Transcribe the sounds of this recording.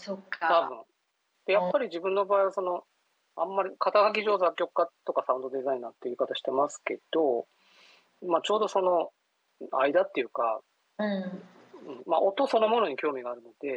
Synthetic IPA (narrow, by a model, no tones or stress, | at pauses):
sokːat̪abɯ̟̃ɴ | d̪̥e̞japːaɾʲiʑibɯ̟̃nːo̞baːiβaso̞no̞ | ãmːaɾʲikʰat̪aɡak̬ʲiʑo̞ːzakʲːo̞kkːat̪ːo̞kasãɯ̟̃nd̪o̞d̪e̞zaĩnat̪ːe̞iɯ̟kat̪aɕi̥t̪e̞masɨ̥ke̞̰d̪̥o̞ | mat͡ɕo̞ːd̪o̞so̞no̞ | aid̪at̪ːe̞jɯ̟ka | ɯ̃ | ɯ̟̃ɴma̰ʔo̞t̪o̞so̞no̞mono̞ɲ̟ikʲo̞ːmʲiɡaːɾɯ̟no̞d̪̥e̞